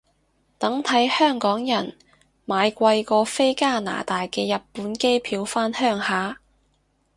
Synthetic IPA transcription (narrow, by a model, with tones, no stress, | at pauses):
t̪ɐ˨˥ŋt̪ʰɐ˨˥jhœː˥˩ŋkɔː˨˥ŋjɐ˨˩n | maː˨˧jkʷɐ˧jkɔː˧fe˥jkaː˥˩na̰ː˨˩t̪aː˨jkɛː˧jɐ˨t̚pːuː˨˥nke˥jpʰiː˨˧wfaː˥nhœː˥˩ŋhaː˨˥